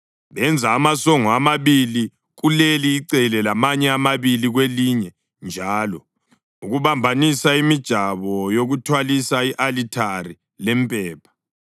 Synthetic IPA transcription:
βɛnd͡zʱaːmasɔŋɔamaβili | ɣuleliːǀɛlɛlamaɲɛamaβiliɣweliɲɛ | nd͡ʒʱaːlɔ | uɣuβambʱanisaimid̥ʒ̥ʱaβɔjoɣutʰwalisaiʔalitʰari | lɛmpʼɛːpʰḁ

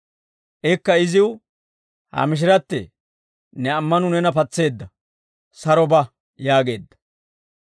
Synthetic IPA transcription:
ʔɛkːɐɪzɪw | ha̰mɪʃ̬ɪɾɐt̪ːɛ̰ | nɛɐmːɐnʊnɛnɐpɐt͡sːe̞ːd̪ːɐ | sɐɾɔbɐ | jaːɡe̞ːd̪ːɐ̥

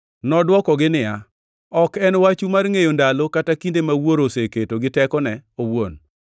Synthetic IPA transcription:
nɔdwɔkɔɡɪnɪa | ɔkɛnwat͡ʃumarŋejondalokatakindemawoɾoseketoɡɪtɛkɔnɛowon

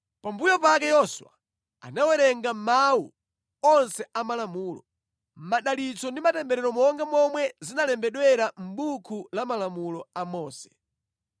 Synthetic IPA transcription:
pambujɔpakɛjɔswa̰ | a̰nawɛɾɛŋɡam̩mawṵ | ɔnsɛamalamuːlɔ̰ | m̩maɗalit͡sɔndimatɛmbɛɾɛɾɔmɔŋɡamɔmwɛzinalɛmbɛɗwɛɾam̩ɓukʰulamalamulɔamɔːsɛ̥

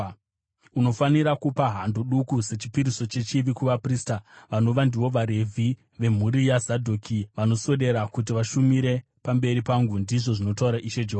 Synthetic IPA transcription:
uno̞faniɾakupaɦandoɗukuse̞t͡ʃi̥piɾiso̞t͡ʃe̞t͡ʃiʋikuʋapriːstaʋano̞ʋandiwo̞ʋaɾe̞vʱi | ʋe̞m̤uɾijazadʱokiʋano̞so̞ɗe̞ɾakut̬iʋaʃumiɾe̞ | pambe̞ɾipaŋɡundiʐo̞ʐino̞tauɾaʔiʃe̞d͡ʒoɦoa

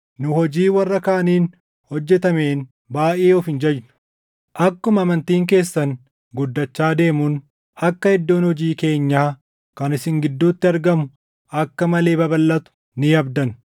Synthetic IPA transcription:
nʊhɔd͡ʒiːwɐrːɐkaːɐniːn | hɔd͡ʒːɛt̪ɐme̞ːn | baːʔeːɔfɪnd͡ʒɐjnʊ̥ | ʔɐkːʊmɐmɐnt̪iːŋk̬e̞ːsːɐn | ɡʊd̪ːɐt͡ʃːaːd̪e̞ːmun | ɐkːɐhɛd̪ːoːnhɔd͡ʒiːke̞ːɲːaː | kɐnɪsɪŋɡɪd̪ːuːt̪ːɪɐɾɡɐmʊ | ɐkːɐmɐle̞ːbɐbɐlːɐt̪ʊ̥ | nɪɐbd̪ɐn

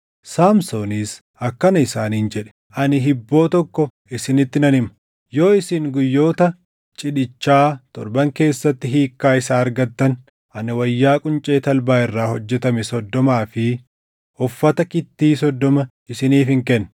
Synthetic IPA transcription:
saːmsoːniːs | ɐkːɐnɐɪsaːniːnd͡ʒɛᶑɛ̥ | ʔɐnɪɦɪbːo̞ːt̪ɔkːɔ | ɪsɪnɪt̪ːɪnɐnɪmɐ̥ | jo̞ːɪsɪŋɡʊjːo̞ːt̪ɐ | t͡ʃʼɪᶑɪt͡ʃːaːt̪ɔ̰ɾbɐŋke̞ːsːɐt̪ːɪɦiːkːaːɪsaːɐɾɡɐt̪ːɐn | ʔɐnɪwɐjːaːkʼʊnt͡ʃʼeːt̪ɐlbaːɪrːaːhɔd͡ʒːɛt̪ɐmɛsɔd̪ːɔmaːfɪ | ɔfːɐt̪ɐkɪt̪ːiːsɔd̪ːɔmɐ | ɪsɪniːfɪŋkɛnː

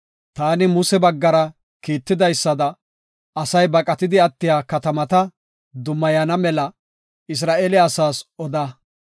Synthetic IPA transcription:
t̪aːnɪmʊsɛbɐɡːɐɾɐ | kiːt̪ːɪd̪ɐjsːɐd̪ɐ | ɐsɐjbɐkʼɐt̪ɪd̪ɪɐt̪ːɪjaːkɐt̪ɐmɐt̪ɐ | d̪ʊmːɐjɐnɐmɛlɐ | ɪs̬ɾaːʔelɛɐsaːsɔd̪ɐ

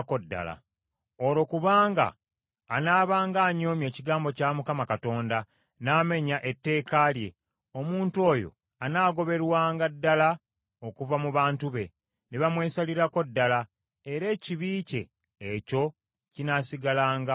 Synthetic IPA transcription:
ko̞dːa̰la̰ | olo̞kuβaːŋɡa̰ː | naːβaːŋɡaːɲo̞ːmje̞ːciɡaːmbo̞camukamakato̞ːnda | naːme̞ɲaʔe̞tːe̞ːkalje̞̰ | o̞muːntuo̞ːjo̞̰ | anaːɡo̞βe̞ɾwaːŋɡadːala | o̞kuvamuβaːntuβe̞ | neβamwe̞ːsaliɾako̞dːala | e̞ɾe̞ːciβiːce̞̰ː | co̞ | cinasiɡalaːŋɡa

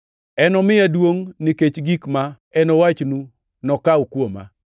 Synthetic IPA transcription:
ɛnɔmɪjadwoŋniket͡ʃɡikma | ɛnɔwat͡ʃnu | nɔkawkwoma̰

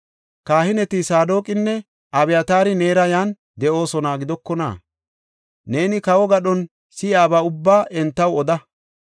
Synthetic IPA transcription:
kaːhɪnɛt̪isaːd̪o̞ːkʼɪnːɛ | ʔɐbɛjɐt̪aːɾɪne̞ːɾɐjaːn | d̪ɛʔo̞ːsɔnaːɡɪd̪ɔkːɔna̰ː | ne̞ːnɪkɐwɔɡɐɗɔn | sɪjaːbaːʊbːaːʔɛnt̪ːɐwɔd̪ɐ

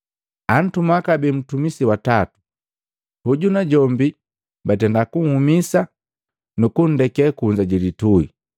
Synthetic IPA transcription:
an̩tumakabɛm̩tumisiwatatu̥ | huɟunaɟɔmbi | bat̬ɛndakuŋ̩humisa | nukun̩dɛkɛkuɲd͡ʒaɟɛlitui

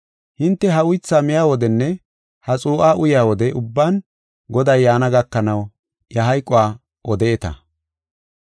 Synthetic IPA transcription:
hɪnt̪ːɛɦɐʊjt͡sːaːmɪjaːwɔd̪ɛnːɛ | hɐt͡sʼuːʔaːʔʊjɪaːwɔd̪ɛʔʊbːaːn | ɡɔd̪ɐjːaːnɐɡɐkːɐnɐw | jɐɦɐjkʼːʊwaː | ʔɔd̪ɛɛt̪ɐ̰

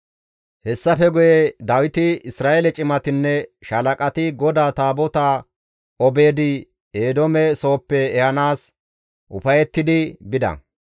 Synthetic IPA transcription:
hɛsːɐfɛɡʊjɛd̪ɐwɪt̪ɪɪsɾaːʔelɛt͡ʃʼɪmɐt̪ɪnːɛʃɐlɐkʼɐt̪ɪɡɔd̪aːt̪aːbɔt̪aː | ɔbe̞ːd̪ɪ | eːd̪ɔmɛso̞ːpːɛːhɐnaːs | ʔʊfɐjɛt̪ːɪd̪ɪbɪd̪ɐ̰

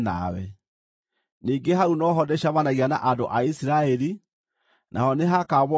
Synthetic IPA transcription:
na̰wɛ̰ | niːŋɡeɦaunɔɦɔdɛɕaβanaɣiana̰ʔandoʔaisiɾaɛɾi | nʔa̰ɦɔneɦakaβɔ

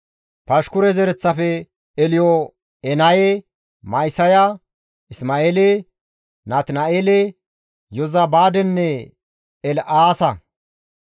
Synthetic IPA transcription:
pɐʃkʊɾɛzɛɾɛt͡sːɐfɛ | ɛlɪjɔ | ɛnɐje | mɐjsɐja | ɪsmaːeːle | nat̪nɐʔeːlɛ | jɔzɐbaːd̪ɛnːɛ | ɛlʔaːsɐ

